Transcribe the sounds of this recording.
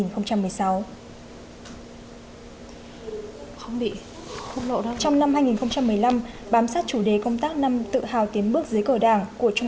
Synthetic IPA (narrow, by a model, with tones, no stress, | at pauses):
nxə˧ŋ͡mt͡ɕa˧mːɨ˨˩əjsa˨˦w | xə˧wŋ͡mɓḭ˧˨ | xə˧ŋ͡mlo̰˧˨˦t͡ɕɔ˧wŋ͡mna˧mɦaː˧jŋi˨˩nxə˧wŋ͡mt͡ɕa˧mːɨ˨˩əjla˧m | ɓaː˨˦msaː˦˥t̚t͡ɕu˧˩ɗe˨˩kə˧wŋ͡mt̪aː˦˥k̚na˧mt̪ɨ̰˧˨haː˨˩wt̪i˨˦ənɓɨ˦˥ək̚zɨː˨˦jkəː˧˩ɗaː˧˩ŋku˧˩ət͡ɕʊ˧ŋ͡m